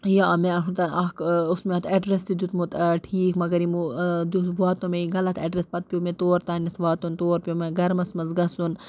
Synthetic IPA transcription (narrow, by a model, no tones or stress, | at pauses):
jaːmẽɐɦʰut̪ɐnɐkʊsmeɐt̪ʰeɖɾest̪id̪ut̪mut̪ʈʰiːkmɐɡɐɾimud̪uʋaːt̪õmẽiɡɐlɐt̪ʰḛːɖɾespɐt̪̚pʲijomẽt̪oːɾt̪aːnʲɐt̪ʰʋaːt̪ont̪oːɾpʲjomẽɡɐɾmɐsmɐzɡɐsun